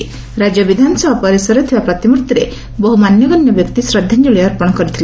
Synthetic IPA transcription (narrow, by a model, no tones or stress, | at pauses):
ɾad͡ʒjɔbid̪ʱanɔsɔbʱapɔɾisɔɾɔt̪ʰibapɾɔt̪imuɾt̪iɾe | bɔɦumanjɔɡɔnjɔbjɔkt̪isɾɔd̪ʱːand͡ʒuɭiɔɾpɔɽ̃ɔkɔɾit̪ʰile